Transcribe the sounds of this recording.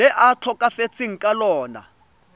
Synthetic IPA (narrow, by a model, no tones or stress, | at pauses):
ɛʔatʰɔkʼafet͡sʰiŋ̩kʼalɔːna̰